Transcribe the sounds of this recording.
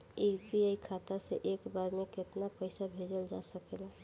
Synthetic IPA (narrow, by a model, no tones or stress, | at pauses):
epiaikʰat̪asḛʔeːkbaɾmẽkɪt̪napəɪsabʱed͡ʒəld͡ʒa̰səkela